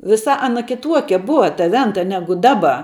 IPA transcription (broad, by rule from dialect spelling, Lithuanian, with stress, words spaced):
ʋʲɪˈsɐ ɐˈnɐ kʲɪˈtuɔkʲɛ ˈbʊʋɐ tɐ ˈʋʲɛntɐ ˈnʲæːɡʊ ˈdɑːbɐ